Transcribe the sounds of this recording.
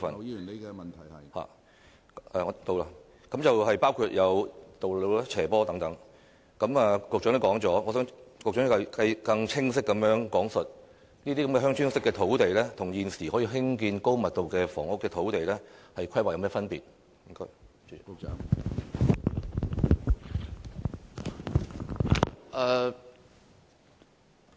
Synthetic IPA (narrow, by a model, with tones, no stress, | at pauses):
fɐ˨n˨ɐ˨nʰ˨˩ha̰ː˨ | ʔɛː˨˧t̪o˨˧wla˧ | kɐ˨˧˥mt͡sɐ˨whɐ˨jpaː˥wkʰuː˧t̚jɐ˨˧wt̪o˨wlo˨˧wla˥t͡sʰɛː˨˩pɔː˥t̪ɐ˨˥ŋt̪ɐ˨˥ŋ | kɐ˨˧˥maː˨˧kʊ˨k̚t͡ʃœ˨˥nɛ˥kɔː˨˥ŋt͡sɔː˨˥ŋɔː˨˧sœː˨˥ŋkʊ˨k̚t͡ʃœː˨˥n˥kɐ˧kɐ˧jkɐ˧ŋt͡sʰɪ˥ŋs̬ɪ˥kːɐ˨˥mjœː˨˥ŋkɔː˨˥ŋsɵ˨t̚ | niː˥t̪iː˥kɐ˨˥mkɛː˧ɦœː˥ŋt͡ʃyː˥ŋsɪ˥kːɛː˧t̪ʰo˨˥wt̪e˨jlɛː˥t̪ʰʊ˨˩ŋjiː˨nsiː˨˩hɔː˨˥jiː˧ɦɪ˥ŋkiː˧nko˥wmɐ˨t̚t̪o˨wkɛː˧fɔ̰ː˨˩ŋʊ˥kːɛː˧t̪ʰo˨˥wt̪e˨jlɛː˥hɐ˨jkʰɐ˥jwa˨jɐ˨˧mɛː˥fɐ˥npiː˨˩t̚ | jɪ˥ŋkɔː˥j | ʔɛː˨˩